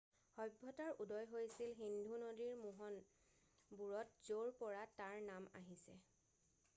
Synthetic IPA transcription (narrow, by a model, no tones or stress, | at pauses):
hɔjbʱːɔtaɹudɔjɦojsilɦindʱunodiɹmuɦɔn | buɹɔtzoɹpɔɹataɹnama̰ɦisɛ